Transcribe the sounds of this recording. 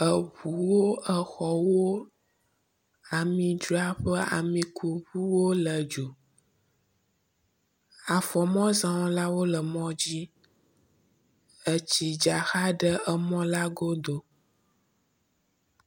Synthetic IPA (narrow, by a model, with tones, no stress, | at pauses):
ə˨ɸu˨wo˦ə˨xɔ˨wo˦ | a˨mĩ˨d͡ʒu˦a˦ɸə˦a̰˨mĩ˨kʰu˨ɸu˦wo˦lə˨d͡ʒo˨ | a˨fɔ˨mɔ̃˦zã˨wɔ̃˦la˦wo˦lə˨mɔ̃˦d͡ʑi˦ | ə˨t͡ɕi˨d͡ʒa˨xa˦ɖə˦ə˦mɔ̃˦la˦ɡo˦d̪o˦